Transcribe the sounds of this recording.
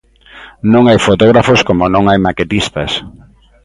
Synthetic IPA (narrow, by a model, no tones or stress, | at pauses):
nõŋajfot̪oɣ̞ɾafoskomonõŋajmaket̪ist̪ɐs